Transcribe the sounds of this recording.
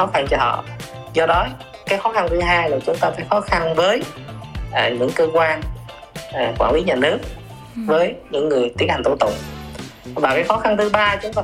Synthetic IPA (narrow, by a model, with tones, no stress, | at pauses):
ɔ˨˦xa˧nt͡ɕɔ˧hɔ̰˧˨ʔ | zɔ˧ɗɔ˨˦ | kaː˨˦jxɔ˨˦xa˧nt̪ʰɨ˨˦ɦaː˧jlaː˨˩t͡ɕʊ˨˦ŋ͡mt̪aː˧faː˨˦jxɔ˨˦xa˧nvəː˨˦jʔəː˨˩ɲɨ̰˧˥ŋkəː˧kwaː˧n | ʔəː˨˩kwaː˧˩nli˨˦ɲaː˨˩nɨ˦˥ək̚ | vəː˨˦jɲɨ̰˧˥ŋːɨ˨˩əjt̪i˨˦ən̚ha˨˩ŋt̪ṵ˧˩t̪ʊ̰˨˩ŋ͡m̚ | vaː˨˩kaː˨˦jxɔ˨˦xa˧nt̪ʰɨ˨˦ɓaː˧t͡ɕʊ˨˦ŋ͡mt̪a˧